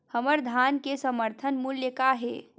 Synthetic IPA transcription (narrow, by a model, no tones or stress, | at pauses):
həməɾd̪ʱankesəməɾt̪ʰənmuljəkaɦḛ